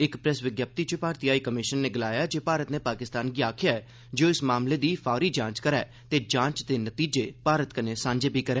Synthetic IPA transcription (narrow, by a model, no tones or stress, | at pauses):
ɪkpɾɛsʋɪɡjap̚t̪iːt͡ʃəpaːɾt̪ijaːiːkəmɪʃənːeːɡəlaːjaːd͡ʒeːpaːɾət̪neːpaːkɪst̪aːnɡiːaːkʰɪjaːɛː | d͡ʒoːɪsmaːmleːd̪iːpʰaːɾiːd͡ʒãːt͡ʃkəɾɛː | t̪eːd͡ʒãːt͡ʃd̪eːnət̪iːd͡ʒeːpaːɾət̪kəneːsãːɲd͡ʒeːbʱiːkəɾɛː